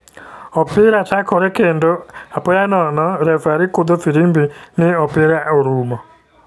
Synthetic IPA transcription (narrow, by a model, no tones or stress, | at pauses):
ɔpɪɾatakʰɔɾɛkendɔapɔjanɔnɔɾɛvaɾikʊd̪ɔfiɾimbinɪɔpɪɾaoɾumɔ